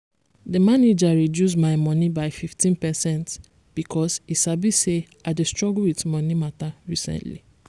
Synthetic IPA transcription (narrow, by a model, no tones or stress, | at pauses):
dəmaned͡ʒaɹidjus̬maɪmɔnibaɪfiftĩnpɛsɛ̃nt | b̥ikʰɔsisabise | aɪdestɹɔɡlwitmɔnimataɹisɛ̰̃ntlḭ